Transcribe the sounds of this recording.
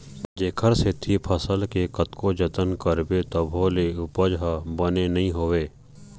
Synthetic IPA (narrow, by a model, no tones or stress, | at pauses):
d͡ʒeːkʰəɾset̪ʰipʰəsəlkekət̪kod͡ʒət̪ənkəɾbet̪əbʱoːleʊpəd͡ʒɦabənenɐɦĩɦoːweː